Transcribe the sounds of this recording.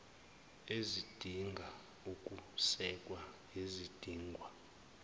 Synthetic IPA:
ezid̥ʱiŋɡʱa | ukʼusɛkʼwa | ezid̥ʱiːŋɡʱwa

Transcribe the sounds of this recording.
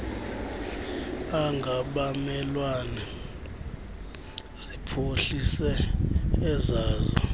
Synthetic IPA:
aŋɡʱaɓamɛlwana | z̥ipʰoɬisɛ | ɛzaːzɔ

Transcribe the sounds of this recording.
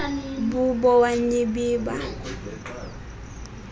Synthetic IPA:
bubɔwaɲibiːba̰

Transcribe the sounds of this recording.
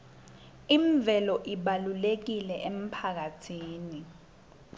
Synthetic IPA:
iɱb̪vʱɛlɔʔiɓalulek̬ilɛʔem̩pʰak̬atʰiːni

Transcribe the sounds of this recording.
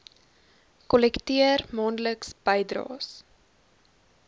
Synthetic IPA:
kɔlɛktiərmɑːndləksb̥əjdrɑ̰ːs

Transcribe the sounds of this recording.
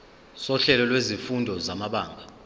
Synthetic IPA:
sɔɬɛlɔlwezifundʱɔzamaɓaːŋɡʱa

